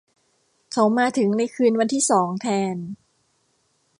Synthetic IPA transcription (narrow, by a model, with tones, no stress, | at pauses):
kʰa˦˥wmaː˧t̪ʰɯ˩˦ŋna˧jkʰɯː˧nwa˧nt̪ʰiː˥˩sɔː˩˦ŋt̪ʰɛː˧n